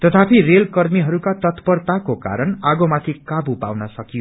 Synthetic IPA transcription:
t̪ʌt̪ʰapʰirelkʌrmiɦʌɾukat̪ʌt̪pʌrt̪akoka̰ɾʌnaɡomat̪ʰikabupa̰wnʌsʌkijo

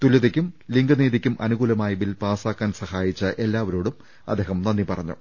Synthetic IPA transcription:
t̪ulɐðikʲːumliŋɡɐneːðikʲːumʔɐ̰nuɣuːlɐmaːjiʋilpaːsaːkːaːnsɐhaːjit͡ɕːɨʔe̞lːaːʋɐɾoːɽum | ɐ̰d̪ːe̞ːhɐmnɐnːipɐrɐɲːṵ

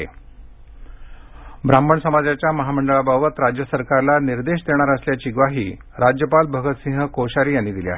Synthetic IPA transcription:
ḛ | bɾamːəɳsəmad͡zjat͡ɕjaməɦaməɳɖəɭabaʋət̪ɾad͡ʑjəsəɾkaɾlaniɾd̪eɕd̪eɽ̃aɾəsljat͡ɕiːɡʋaɦiː | ɾad͡ʑjəpalbʱəɡət̪sĩŋɦəkoɕaɾiːjanːiːd̪ilia̰ɦ

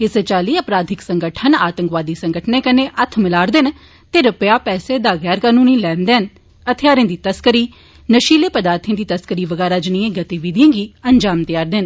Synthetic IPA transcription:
ɪst͡ʃaːliːəpɾaːd̪ʱɪksəŋɡəʈʰənaːt̪ə̃ŋkʋaːd̪iːsə̃ŋɡəʈʰnẽːkənẽːʔət̪ʰmɪlaːɾd̪ɪn | t̪eːɾəpəjaːpɛːseːd̪aːɣɛːɾkaːnũːniːlɛːnd̪eːɦən | ət̪ʰɪjaːɾẽːd̪iːt̪əskəɾiː | nəʃiːleːpəd̪aːɾt̪ʰẽːd̪iːt̪əskəɾiːʋəɡɛːɾaːd͡ʒniːẽːɡət̪iːʋiːd̪jãːɡiːəɲd͡ʒaːmt̪ɪjaːɾd̪ɪn

